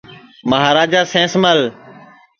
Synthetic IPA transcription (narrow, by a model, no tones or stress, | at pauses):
məɦaːɾaːd͡ʒaːsẽːsməl